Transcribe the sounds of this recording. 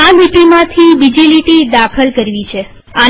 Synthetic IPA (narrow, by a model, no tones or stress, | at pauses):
amiʈimãt̪ʰibid͡ʒiliʈid̪akʰəlkəɾʋit͡ʃʰe | a